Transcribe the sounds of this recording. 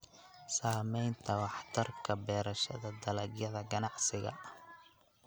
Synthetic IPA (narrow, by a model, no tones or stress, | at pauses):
saːmɛjnt̪ʰɐwɑħt̪ʰɐrkʰɐbɛːɾɐʃɐðɐd̪ɐlɐɡjɐðɐɡɐnɑʕsɪɣɐ̰